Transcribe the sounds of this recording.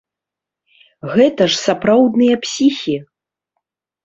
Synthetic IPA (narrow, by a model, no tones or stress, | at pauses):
ɣɛt̪ɐʂsapɾawd̪nɨjɐpsʲixʲi